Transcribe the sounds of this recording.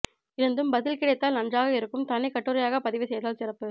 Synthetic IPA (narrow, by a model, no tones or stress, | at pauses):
ɪɾɐnd̪ɯmbɐðɪlkɪɽɐɪt̪ːaːlnɐndraːɣɐɪɾɯkːɯmt̪ɐnːɪkːɐʈːɯɾɐjaːɣɐpɐðɪʋɪsɛjðaːlsɪrɐpːɯ